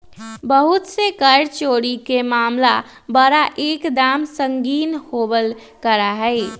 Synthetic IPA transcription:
bəɦut̪sekəɾt͡ʃoːɽikemaːmla | bəɾaʔeːkd̪aːmsəŋɡiːnhobəl | kəɾaɦɛɪ

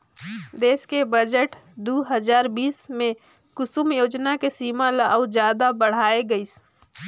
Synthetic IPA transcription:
d̪eːskebəd͡ʒəʈd̪uːɦəzaːɾbiːsmẽ | kʊsumjoːd͡ʒnakesiːmaləaʊd͡ʒjaːd̪abəɽ̤aːeɡəis

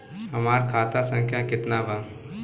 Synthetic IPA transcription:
hɐmaːɾkʰaːt̪asə̃ŋkʰjakɪt̪nabə̃

